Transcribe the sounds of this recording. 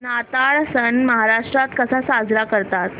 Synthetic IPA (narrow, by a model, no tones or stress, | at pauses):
nat̪aɭsəɳməɦaɾaʂʈɾat̪kəsasad͡zɾakəɾt̪at̪